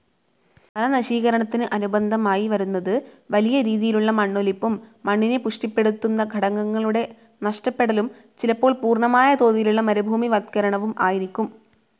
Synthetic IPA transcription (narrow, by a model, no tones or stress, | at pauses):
pɐlɐnɐɕiːɣɐɾɐɳɐt̪ːinɨʔɐnubɐnd̪ʱɐmaːjiʋɐɾunːɐðɨ | ʋɐlijɐɾiːðijiluɭːɐmɐɳːolipːumːɐɳːinepuʂʈipːe̞ɽut̪ːunːɐɡʱɐɽɐŋːɐŋːɐɭuɽe̞ | nɐʂʈɐpːe̞ɽɐlum | t͡ɕilɐpːo̞ːɭpuːrɳɐmaːjɐt̪o̞ːðijiluɭːɐmɐɾubʱuːmiʋɐd̪̚kɐɾɐɳɐʋumaːjiɾikʲːum